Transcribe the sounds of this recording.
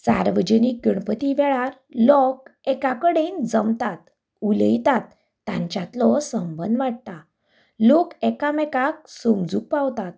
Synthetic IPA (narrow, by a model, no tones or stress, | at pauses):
sa̰ɾʋəd͡ʑənik̚ɡəɳpət̪iʋɛɭaɾ | lɔkɛkakəɽend͡zəmt̪at̪ | uləjt̪at̪ː | ãɲt͡ɕat̪lɔsəmbənd̪ʋaʈ̚t̪a | lokɛkamɛkak̚sumd͡zuːk̚pawt̪at̪̚